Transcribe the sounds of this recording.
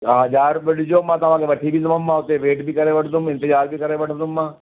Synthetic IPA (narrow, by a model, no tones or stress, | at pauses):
ɦɐd͡ʒaːɾbɐʈd͡ʒoːmːãt̪ɐmãkeʋɐʈʰibʱisɐmɐmːãɦoːt̪eeʋeːʈbʱikɐɾeʋɐʈʰd̪ʊmɪ̃nt̪ɪd͡ʒaːɾbʱikɐɾeʋɐʈʰd̪ʊmːãː